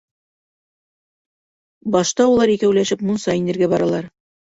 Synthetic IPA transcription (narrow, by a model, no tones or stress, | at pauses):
bɒʃt̪ɑulˠɑɾikæwlæʃɘpmunsɑinɘ̆ɾɡæbɒɾɑlˠɑɾ